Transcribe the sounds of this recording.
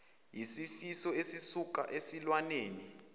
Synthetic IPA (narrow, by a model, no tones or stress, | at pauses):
jisifisɔesisuk̬ʼaʔesilwaneːni